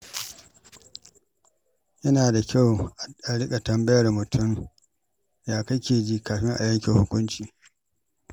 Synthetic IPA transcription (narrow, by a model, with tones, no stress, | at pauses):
jɐ˦naː˨da˨kʲa˦˨wʔa˨a˨ɽɪ˦kʼa˨tɐ˨mbɐ˦jɐ˨rmʊ˨tʰʊ˦˨m | jaː˦kɐ˦kʲeː˨d͡ʒiː˦kaː˨ɸɪ˦ŋʔa̰˨jɐ˦ŋkʲɪ˨ŋhʊ˦kʷʊ˦nt͡ʃiː˨